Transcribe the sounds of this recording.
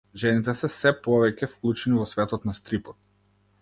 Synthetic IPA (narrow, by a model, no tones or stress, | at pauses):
ʒɛnit̪ɛsɛsɛpɔvɛcɛfklˠut͡ʃɛnivɔsvɛt̪ɔt̪nast̪ɾipɔt̪̚